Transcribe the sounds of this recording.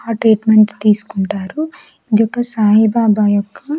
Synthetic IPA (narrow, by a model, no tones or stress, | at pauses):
ɐʈɾiːʈmeɳʈt̪iːsu̥kuɳʈaːɾu | id̪ijɔkːɐsaːɦibaːbaːjɔkːɐ